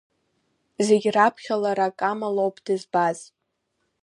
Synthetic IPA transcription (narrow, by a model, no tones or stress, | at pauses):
ze̞ɡʲrapʰχʲalaɾakʼamalowpʼd̥ɨzbaz̥